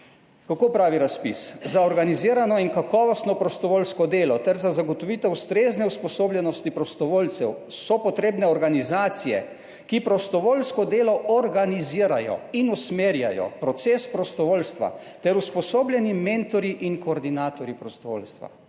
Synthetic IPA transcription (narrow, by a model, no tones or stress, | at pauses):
kakoːpɾaːʋiɾaspiszaɔɾɡaniziːɾanɔiŋkakɔʋɔst̪nɔpɾɔst̪ɔʋolskɔd̪eːlɔt̪ɛɾzazaɡɔt̪ɔʋit̪ɛwst̪ɾeːznɛuspɔsoːblʲjɛnɔst̪ipɾɔst̪ɔʋoːlt̪sɛwsɔpɔt̪ɾeːbnɛɔɾɡanizaːt̪sijɛ̰ | kipɾɔst̪ɔʋoːlskɔd̪eːlɔʔɔɾɡaniziːəɾajɔ̰inusmeːɾja̰jɔ̰pɾɔt̪sespɾɔst̪ɔʋoːlst̪ʋa̰ | t̪ɛɾuspɔsoːblʲjɛniment̪ɔɾjiʔiŋkɔːɾd̪inaːt̪ɔɾjipɾɔst̪ɔʋo̰ːlst̪ʋa̰